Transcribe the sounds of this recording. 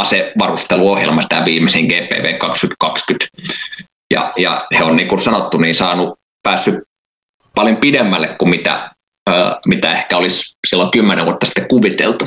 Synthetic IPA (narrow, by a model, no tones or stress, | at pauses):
ɑseʋɑrust̪eluohjḛlmɑsi̥t̪æʋiːmːˑeseŋɡ̥eːpḛːʋḛːkɑkskyt̪kɑkskyt̪ | jɑ̰jɑ̰heonniːkusɑnot̪ːuniːnsɑːnu | pæːsːy | pɑljompidemːælːekkumit̪æ̰ | mit̪æehkæolissilːoŋkymːeneʋuot̪ːɑsi̥t̪ːekkuʋit̪ḛlt̪u